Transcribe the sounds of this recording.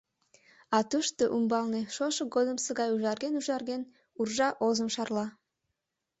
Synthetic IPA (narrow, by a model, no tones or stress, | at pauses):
ɑt̪uʃt̪oʔumbɑlneʃoʃə̆ɡod̪əmsəɣɑjuʒɑrɣenuʒɑrɣen | urʒɑʔozəmʃɑrlɑ